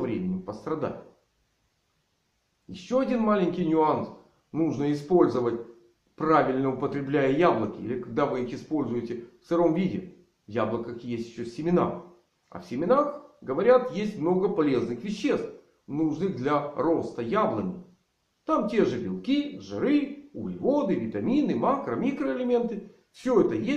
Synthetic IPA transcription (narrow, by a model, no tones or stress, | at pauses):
vɾʲemʲɪnʲɪmpəst̪ɾɐd̪a̰tʲ | jɪɕːoɐdʲinmalʲɪnʲkʲɪjnʲʊans | nuʐnəɪspo̞lʲzəvətʲ | pravʲɪlʲnəʊpət̪ɾʲɪblʲæjəjablˠəkʲɪḭlʲɪkɐɡ̚d̪avɨixɪspo̞lʲzʊjɪtʲɪfsɨɾo̞mvʲidʲɪ | vjablˠəkəxʲjesʲtʲɪɕːosʲɪmʲɪna̰r | ɐ̰fsʲɪmʲɪnaxɡəvɐɾʲat̪jesʲtʲmno̞ɡəpɐlʲe̞znɨxvʲɪɕːe̞st̪f | nuʐnɨɣd̪lʲɐɾo̞st̪əjablˠənʲɪ | t̪amtʲe̞ʐɨbʲɪlˠkʲiʐɨɾɨʊɡlʲvo̞d̪ɨvʲɪt̪ɐmʲinɨmakɾəmʲikɾəɪlʲɪmʲe̞nt̪ɨ | fsʲɵɛt̪əje